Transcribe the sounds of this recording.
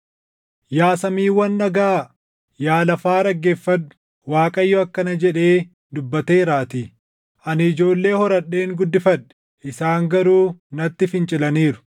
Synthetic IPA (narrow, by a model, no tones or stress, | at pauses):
jaːsɐmiːwɐnːɐɡaː | jaːlɐfaːɾɐɡːeːfːɐnʊ̥ | waːkʼɐjːɔɐkːɐnɐd͡ʒɛᶑe̞ː | d̪ʊbːɐt̪eːɾaːt̪iː | ʔɐnɪɪd͡ʒo̞ːlːe̞ːhɔɾɐɗːe̞ːŋɡʊd̪ːɪfɐᶑɛ̥ | ʔɪsaːŋɡɐɾuːnɐt̪ːɪfɪnt͡ʃʼɪlɐniːɾʊ̥